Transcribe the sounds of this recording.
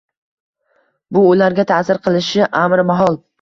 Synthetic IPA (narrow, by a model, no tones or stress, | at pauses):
bʊːlaɾɡʲat̪ʰasɪɾqʰɨlˠɪʃɪʔamɾmaɦɒlˠ